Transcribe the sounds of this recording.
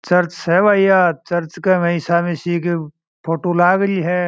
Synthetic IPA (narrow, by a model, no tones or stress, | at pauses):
t͡ʃɐɾt͡ʃɛʋaːijat͡ʃɐɾt͡ʃkemẽɪsaːmẽsiːke | pʰoːʈolaːɡəliɦɛ